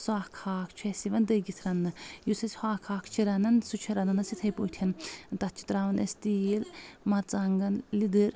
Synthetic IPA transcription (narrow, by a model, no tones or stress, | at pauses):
swaːhkʰaːkʰt͡ʃʰuɛsiʋɐnd̪ɐɡit̪ʰɾɐnːɨjusʰɐsʲhaːkʰaːkʰt͡ʃʰiɾɐnɐnsut͡ʃʰɐɾɐnɐnɐsit̪ʰɐjpoːt̪ʰɐnt̪ɐt̪̚ʰt͡ʃʰi̥t̪ɾaʋɐnʔḛst̪iːlmɐɾt͡sɐŋɡɐnlid̪ɨɾ